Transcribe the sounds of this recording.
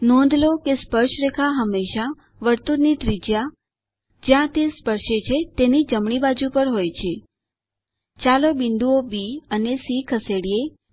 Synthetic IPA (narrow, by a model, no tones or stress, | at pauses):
nõnd̪lokespəɾʃɾekʰaɦəmːeʃa | ʋəɾt̪unit̪ɾid͡ʒja | d͡ʒjãt̪espəɾʃet͡ʃʰet̪enid͡ʒəmɳibad͡ʒupəɾɦojt͡ʃʰe | t͡ʃalobind̪uobiənesikʰəseɽie